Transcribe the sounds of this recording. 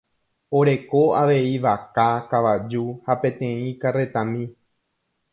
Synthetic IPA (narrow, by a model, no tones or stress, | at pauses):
o̞ɾe̞ko̞aʋe̞iʋakakaʋad͡ʒuhapẽ̞t̪ẽ̞ĩkare̞t̪ãmĩ